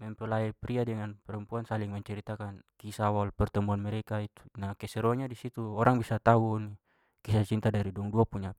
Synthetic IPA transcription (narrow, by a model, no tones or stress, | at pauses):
mɛmpɛlaɛpɾiadɛŋanpɛɾɛmpuansaliŋmɛɲt͡ʃɛɾit̪akankisawaalpɛrt̪ɛmuanmɛɾɛkait̪u̥nakɛsɛɾɔɲadisit̪uɔɾaŋbisat̪auni | kisat͡ʃint̪adaɾidɔɔŋduapuɲa